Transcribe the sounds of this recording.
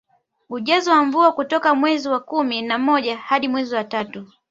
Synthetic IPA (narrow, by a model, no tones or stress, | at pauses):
uʄazɔwamvuakutɔkamwɛziwakuminamɔʄahaɗimwɛziwatatu